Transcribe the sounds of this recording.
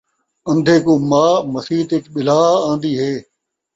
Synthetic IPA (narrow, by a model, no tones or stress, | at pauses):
ə̃nd̪ʱeːkoːmaːməsiːt̪eːkɓɪlaːãːnd̪iːɦeː